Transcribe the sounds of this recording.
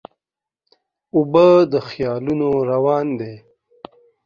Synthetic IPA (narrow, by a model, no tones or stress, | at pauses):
ʊbəd̪əxjɑːlunoɾawɑːnd̪e